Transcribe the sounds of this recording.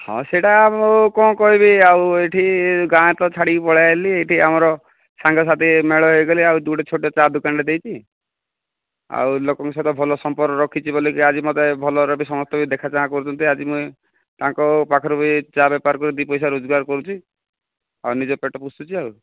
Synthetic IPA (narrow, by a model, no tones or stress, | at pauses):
hɔ̰̃seʈakɔ̃kɔɦibiaweʈʰiɡãet̪ɔt͡ʃʰaɽipɔɭajalieʈiamɔɾɔ | saŋɡʱɔs̬at̪imeɭɔɦojɡɔliawd̪uɽet͡ʃʰoʈjɔt͡ʃad̪ukaɳɖed̪ejt͡ʃʰi | a̰wlokɔŋkɔset̪ɔbʱɔlɔsɔmpɔɾkɔɾɔkʰit͡ʃʰibolikiad͡ʒimɔt̪ebʱɔlɔɾɔbisɔmɔst̪ɔbʱid̪ekʰat͡ʃaãkɔɾut͡ʃʰɔnt̪iad͡ʒimũj | t̪aŋkɔpakʰɔɾupit͡ʃabɛpaɾkɔɾid̪ipɔjsaɾod͡ʒɔɡaɾkɔɾut͡ʃʰi | awnid͡ʒɔpeʈɔpusut͡ʃʰiaw